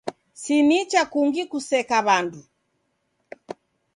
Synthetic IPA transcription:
sinit͡ʃakuŋɡikusɛkaβandu

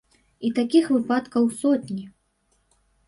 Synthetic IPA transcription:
it̪akʲixvɨpat̪kɐwsɔt̪ʲnʲi

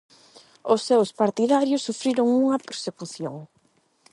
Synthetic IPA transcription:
ʊsːewspaɾt̪iðaɾjʊsːufɾiɾoŋuŋɐpeɾsekuθjoŋ

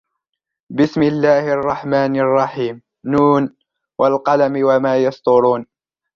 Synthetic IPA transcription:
bɪsmɪlːaːhɪʔɑrˤːɑħmaːnɑrˤːɑħiːmː | uːn | wʔalqɑlamɪwamaːjɑst̪ʊɾuːn

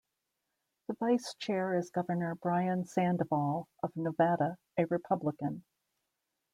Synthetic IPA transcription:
ðəvaɪst͡ʃʰɛɹɪzɡʌvə˞nə˞bɹaɪɨ̃nsæ̃ndəvɔlˠʔʌvnəvæɾə | ɨɹɨpʰʌbləkɨ̃n

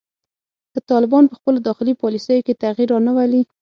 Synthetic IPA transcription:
k̪ət̪ɑlɪbɑnpəxpəlod̪ɑxɪlipɑlisəjoket̪aɣiɾɑnəwali

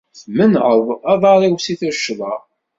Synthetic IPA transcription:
θmənʁəðˤɑðˤɑɾˤiwsiθəʃːəðˤɑ

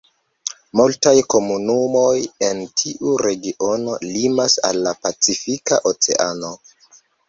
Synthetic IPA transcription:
multajko̞munumo̞jentʰiʔuɾe̞ɡiʔo̞no̞limasa̰lːapat͡sifika̰ʔot͡se̞̰ʔano̞

